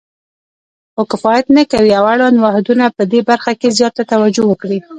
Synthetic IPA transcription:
xokɪfɑjat̪nakawiawaɽɑnwahd̪unapəd̪ebaɾxakezjɑt̪at̪awad͡ʒowəkɽi

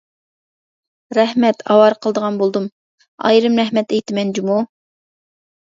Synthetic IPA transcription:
ɾɛhmɛt̪ʰɑ̰wɑɾqʰəlˠd̪əʁɑnbolˠd̪um | ɑ̰jɾɨmɾɛɦmɛt̪ɛjt̪ʰɪmɛnd͡ʒimu

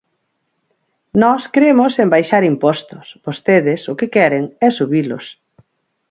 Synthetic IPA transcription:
nɔskɾemʊsembajʃaɾimpɔst̪ʊsbost̪eðɪsʊkɪkɛɾeŋɛsuβilʊ̰s

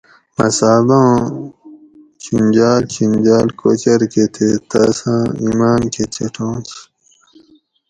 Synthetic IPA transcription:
mɐ̰saːbãː | kʰind͡ʑaːlkʰind͡ʑaːlkot͡ɕɐɾket̪ʰet̪ɐsãːimaːnket͡ɕʰɐʈʰõːt͡ɕʰ

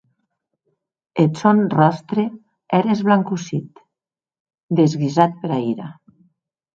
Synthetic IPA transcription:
et̪sonrɔst̪ɾe | ɛɾezβlaŋkusit̪ | d̪ezɣizat̪̚peɾaiɾa

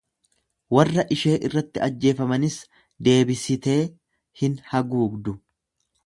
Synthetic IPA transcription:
wɐrːɐʔɪʃe̞ːʔɪrːɐt̪ːɪɐd͡ʒːe̞ːfɐmɐnɪs | d̪e̞ːbɪsɪt̪e̞ː | hɪnhɐɡuːɡd̪ʊ

